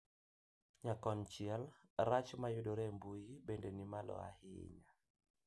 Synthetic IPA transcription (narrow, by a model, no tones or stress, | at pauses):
ɲakɔnt͡ʃialɾat͡ʃmajuɗɔɾɛmbujibɛndɛnimalɔ̰a̰hḭɲa